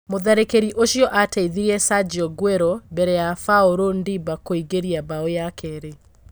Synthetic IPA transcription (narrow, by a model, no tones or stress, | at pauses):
moðɛɾekeɾiʔoʃjɔʔataiðiɾiɛsad͡ʒɔɡweɾɔbɛɾɛjafaoɾondibakoiɡeɾiabaojakʰɛɾe